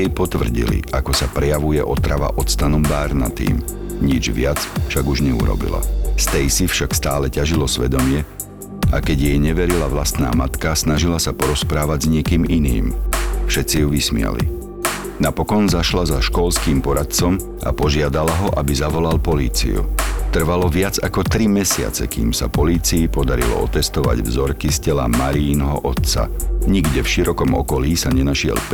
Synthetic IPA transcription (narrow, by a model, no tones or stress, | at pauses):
ɛjpɔt̪ʋr̩ɟḭlḭakɔsapɾɛjaʋujɛ̰ʔɔt̪ɾaʋa̰ʔɔt̪st̪anɔmbaːɾna̰t̪ḭːm | ɲid͡ʒʋɪat͡sfʃaɡuʒɲɛṵɾɔ̰bḭla̰st̪ɛjsifʃakst̪aːlɛcaʒilɔsʋɛd̪ɔmɪɛ | a̰kɛɟjɛjɲɛʋɛɾilaʋlast̪na̰ːmat̪kasnaʒilasapɔɾɔspɾaːʋaɟzɲɪɛkiːminḭːmfʃɛt̪t͡sijuʋismɪa̰lḭ | napɔkɔnzaʃlazaʃkɔlskiːmpɔɾat̪̚t͡sɔm | ʔa̰pɔʒɪad̪alaɦɔʔabizaʋɔlalpɔlḭːt͡sḭṵt̪r̩ʋalɔʋɪad͡zakɔt̪ɾimɛsɪa̰t͡sɛ̰kiːmsa̰pɔliːt͡siipɔd̪aɾḭlɔ̰ɔt̪ɛst̪ɔʋa̰ɟvzɔɾkiscɛla̰maɾiːnɦɔʔɔt̪t͡sa̰ɲiɡɟɛfʃiɾɔkɔmɔ̰kɔliːsaɲɛnaʃɪɛ̰lp